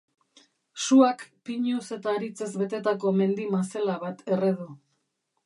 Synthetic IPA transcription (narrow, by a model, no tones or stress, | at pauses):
suakpiɲuse̞t̪aːɾit͡sezβe̞t̪e̞t̪ako̞me̞nd̪imaselaβat̪ʰe̞reðu